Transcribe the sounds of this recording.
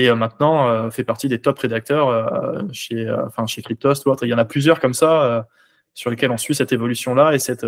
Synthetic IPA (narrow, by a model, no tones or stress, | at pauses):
eømɛ̃t̪nɑ̃øfɛpaʁt̪id̪et̪ɔpʁed̪ak̚t̪œʁøʃeø̰ɑ̰̃fɛ̃ʃekχip̚t̪ost̪uot̪χeljɑ̃naplyzjœʁkɔmsaø | syʁləkʲɛlɔ̃sɥisɛt̪evɔlysjɔ̃laesɛt̪